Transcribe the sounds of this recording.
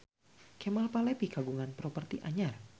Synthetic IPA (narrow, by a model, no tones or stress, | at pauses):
kɛmalpalɛpiɡaɡuŋanpɾɔpərt̪iʔaɲar